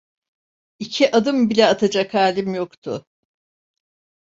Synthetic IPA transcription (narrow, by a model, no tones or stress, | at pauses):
icʰiʔad̪ɯmbilʲɛat̪ʰad͡ʒakʰhaːlʲimjokt̪ʰʊ